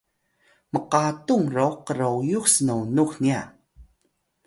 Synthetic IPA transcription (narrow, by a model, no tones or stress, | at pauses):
məqatuŋrowqəɾowjuxsənonuxnia